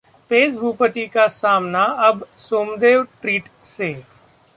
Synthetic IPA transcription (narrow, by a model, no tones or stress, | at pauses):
peːsbʱuːpət̪ikasaːmnaɐbsoːmd̪eːʋʈɾiːʈseː